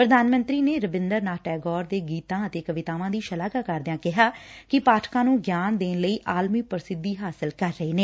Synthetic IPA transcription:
pɾəd̪aːnmə̃nt̪ɾiːneːɾəbɪnd̪əɾnaːʈɛːɡɔːɾd̪eːɡiːt̪ãːət̪eːkəʋɪt̪aːʋãːd̪iːʃəlaːkaːkəɾd̪ɪjãːkɪɦaːkɪpaːʈʰkãːnũːɡjaːnd̪eːnləiːʔaːlmiːpəɾsɪd̪ːiːɦaːsɪlkəɾːəeːneː

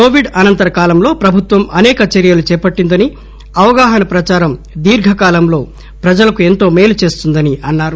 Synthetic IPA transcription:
koːʋiɖɐnɐnt̪ɐɾɐkaːlɐmlo̞ːpɾɐbʱut̪ʋɐmɐnɛːkɐt͡ʃɐɾijɐlut͡ʃɛːpɐʈːind̪ɐni | ɐʋɐɡaːɦɐnɐpɾɐt͡ʃaːɾɐm | d̪iːɾɡʱɐkaːlɐmlo̞ː | pɾɐd͡ʒɐlɐkuent̪o̞ːmeːlut͡ʃe̞ːst̪und̪ɐniɐnːaːɾu

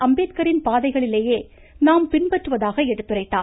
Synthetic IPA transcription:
ɐmbeːt̪kɐɾɪnpaːðɐɪɣɐɭɪleːjeː | naːmpɪnpɐʈrɯʋɐðaːɣɐɛɽɯt̪ːɯrɐɪt̪ːaː

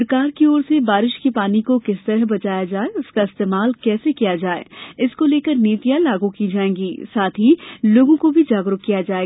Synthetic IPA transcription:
ɾkaːɾkioːɾsebaːɾɪʃkepaːnikokɪst̪əɾəɦbɐt͡ʃaːjad͡ʒaːeʊskaɪst̪eːmaːlkɛːsekijad͡ʒaːḛːɪskoleːkəɾniːt̪ijãlaːɡukid͡ʒaːẽːɡiːsaːt̪ʰɦiloːɡõkobʱid͡ʒaːɡɾʊkːijad͡ʒaːe

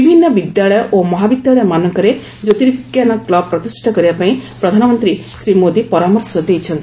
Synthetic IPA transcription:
ibʱinːɔbid̪jaɭɔjɔʔomɔɦabid̪jaɭɔjɔmanɔŋkɔɾe | d͡ʒot̪iɾikjanɔklɔb̚pːɾɔt̪isʈʰɔkɔɾibapaĩpɾɔd̪ʱanɔmɔnt̪ɾisɾimod̪ipɔɾamɔɾsɔd̪ejt͡ʃʰɔnt̪i

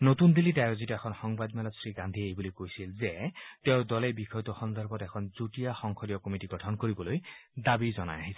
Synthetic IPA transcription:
not̪und̪ilitajozitɛxʰɔnxɔŋbad̪mɛlɔt̪sɹiɡand̪ʱiɛejbulojkojsilzeteʊdɔlebixɔjt̪ɔxɔnd̪ɔɹbɔtɛkʰɔnzutijaxɔŋkʰɔlijɔkɔmitiɡɔtʰɔnkoɹibɔlojd̪abizɔna̰jaɦisɛ

